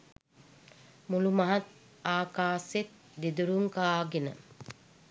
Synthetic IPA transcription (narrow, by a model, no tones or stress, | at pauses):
mulumaɦat̪̚ | aːkaːset̪̚ | d̪id̪uɾuŋkaːaːɡenə